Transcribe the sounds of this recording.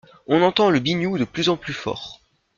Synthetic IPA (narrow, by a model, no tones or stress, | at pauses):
ɔ̃nɑ̃t̪ɑ̃ləbinjud̪əplyzɑ̃plyfɔ̰ːʁ